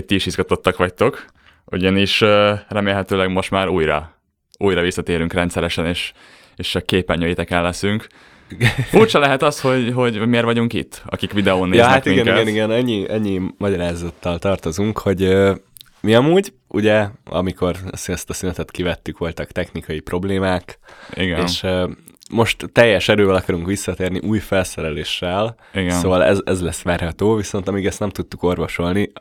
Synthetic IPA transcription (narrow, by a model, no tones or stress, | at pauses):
ct̪iiʃizɡɒt̪o̞t̪ːɒkʋɒc̚t̪o̞k | ʔṵɟɒniʃøːrɛmeːlɦɛt̪øːlɛɡmo̞ʃt̪maːɾuːjɾɒ̰ | uːjɾɒvisːɒt̪eːɾyŋkrɛnt̪sɛɾɛʃɛneːʃ | eːʃt͡ʃɒkːeːpːɛɲːøːjit̪ɛkɛlːɛsyŋk | fuːrt͡ʃɒlɛɦɛt̪ɒsho̞ɟɦo̞ɟmeːrvɒɟuŋkḭt̪ːʔɒ̰kikʋid̪ɛoːnːejznɛtk̪imiŋɡɛkɛɡniɡɛnɛɲːiɛɲːimɒɟɒɾaːzot̪ːɒlt̪ɒrt̪o̞zuŋkho̞ɟøː | miɒmuːɟ | ṵɟɛɒ̰mikʰo̞rsyɛst̪ɒsynɛt̪ɛt̪kivɛt̪ːykʋo̞lt̪ɒkt̪ɛxnikɒjipro̞bleːmaːkiɡɛeːnʃ | mo̞ʃt̪t̪ːɛjːɛʃɛɾøːvɛlɒkɒɾuŋkʋisːɒt̪eːrniʔuːjfɛlsɛɾɛleːʃːɛl | iɡɛsnoːvɒlɛ̰zɛzlɛsʋaːrhɒt̪oːviso̞nt̪ɒmiːɡɛst̪nɛmt̪ut̪ːuko̞rvoʃo̞lni